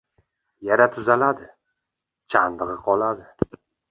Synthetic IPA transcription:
jaɾat̪ʰʊzalad̪ɪ | t͡ʃʰand̪ɨʁɨqʰɒlˠad̪ɪ

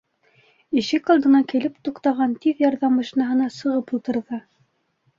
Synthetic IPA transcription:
iʃɘkold̪ɤ̆nɑkilɘpt̪uqt̪ɑʁɑnt̪iðjɑɾðɑmbɑ̆ʃinɑɦɤ̆nɑsɤ̆ʁɤpulˠt̪ɤ̆ɾðɤ

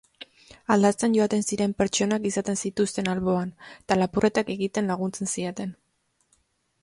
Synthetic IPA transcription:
ald̪at͡senʝo̞at̪e̞nsiɾe̞mpe̞ɾt͡ʃo̞nakisat̪e̞nsit̪ust̪e̞nalβo̞anet̪alapure̞t̪ake̞ɣit̪e̞nlaɣ̞unt͡se̞nsie̞t̪e̞n

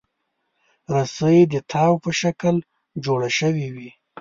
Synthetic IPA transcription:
ɾasəjid̪ət̪ʰɑwpəʃakəl | d͡ʒoɽaʃəwiwi

